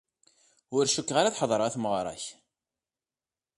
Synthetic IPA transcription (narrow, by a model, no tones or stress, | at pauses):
ʊɾʃukːʁaɾaθħəðˤɾˤæθmʁɾˤɑ̰ç